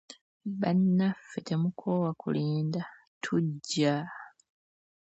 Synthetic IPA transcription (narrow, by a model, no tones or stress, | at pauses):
βanːafːete̞mukʰo̞ːwakṵliːnda | tʰuɟːa